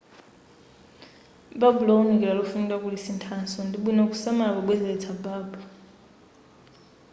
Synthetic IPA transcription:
babulɔunikilalɔfunitakulisintʰansɔndiɓwinaku̥samalaβaɓwɛzɛlɛt͡sʰabaːbɔ

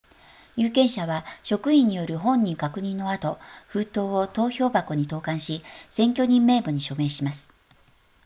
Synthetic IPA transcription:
jɯːkẽ̞ɰ̃ɕaβaɕo̞kɯ̟ĩɲ̟ːijo̞ɾɯ̟ɦõ̞ɲ̟ːĩŋkakɯ̟ɲ̟ĩnːo̞at̪o̞ɸɯ̟ːt̪o̞ːot̪o̞ːço̞ːbako̞ɲ̟it̪o̞ːkãɰ̃ɕisẽ̞ŋkʲo̞ɲ̟ĩmːe̞ːbɯ̟ɲ̟iɕo̞me̞ːɕimasɨ̥

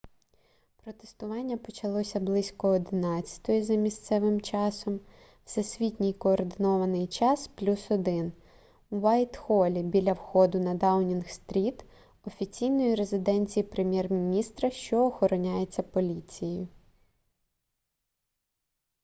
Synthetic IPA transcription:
pɾɔt̪est̪ʊʋɑnʲːɐpɔt͡ʃɐlˠɔsʲɐblˠɪsʲkɔːd̪ɪnɑt͡sʲːɐ̥t̪ɔjizɐmʲist̪sɛʋɪmt͡ʃɑsɔm | wsɛsʲʋʲitʲnʲijkɔːrd̪ɪnɔʋɐnɪjt͡ʃɑsplʲusɔd̪ɪn | uʋɑjt̪xɔlʲibʲilʲɐwxɔd̪ʊnɐd̪ɑwnʲinxst̪ɾʲit̪ | ɔfʲit͡sʲijnɔjiɾezɪd̪ɛnʲt͡sʲijipɾemʲjɛrmʲinʲist̪ɾɐʃt͡ʃɔːxɔɾɔnʲajet͡sʲːɐpɔlʲit͡sʲijjʊ

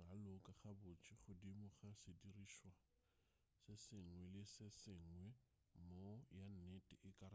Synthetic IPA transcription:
alʊkʼaχabʊt͡ʃʰʼiχʊdimʊχasɪdiriːʃwa | sɪsɪŋ̩wɛlɪsɪsɪŋ̩wɛ | mojan̩netʼɪʔɪkʼaɾ

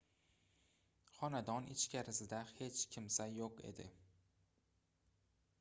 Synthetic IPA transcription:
χɒnad̪ɒnɪ̰t͡ʃkʲʰaɾɪsɪd̪ahe̞t͡ʃkʲʰɪmsajoqḛd̪ɪ

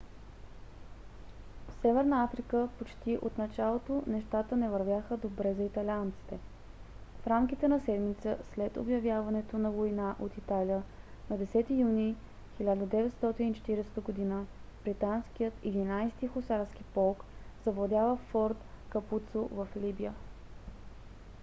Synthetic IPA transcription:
fsɛvɛɾnəafɾikəpot͡ʃt̪iʔot̪nɐt͡ʃalˠot̪onɛʃt̪at̪ənɛvəɾvʲjaxəd̪obɾɛzɐit̪ɐlʲiant̪si̥t̪ɛ | fɾamk̟it̪ɛnɐsɛd̪mit̪səslɛt̪o̰bjɐvjavɐnɛt̪onɐvoinaʔot̪it̪aliənɐd̪ɛsɛt̪ijuni | xilʲad̪əd̪ɛvɛt̪st̪ɔt̪init͡ʃɛ̥t̪iɾɛst̪əɡod̪inəb̥ɾit̪anskijət̪id̪inajst̪ixosaɾsk̟ipɔlˠkzɐvlˠd̪ʲavəfɔɾt̪ | kɐput̪sovəflibijə

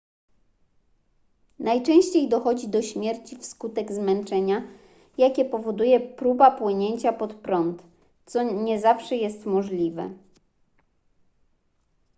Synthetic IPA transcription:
najt͡ʂɛ̃w̃ɕt͡ɕejd̪ɔxɔd͡ʑid̪ɔɕmʲjɛɾt͡ɕifskut̪ɛɡzmɛnt͡ʂɛɲa | jakʲɛpɔvɔd̪ujɛpɾubapwɘɲeɲt͡ɕapɔt̪pɾɔnt̪ | t̪sɔɲɛzafʂɛjɛst̪mɔʐlʲivɛ̰

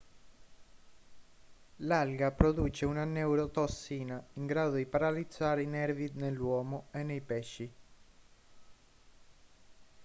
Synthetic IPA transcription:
lalɡapɾod̪uːt͡ʃeunanːɛwɾot̪osːiːnaiŋɡɾaːd̪od̪ipaɾalid̪zːaːɾeinɛɾvinelːwɔːmoenːejpɛʃːi

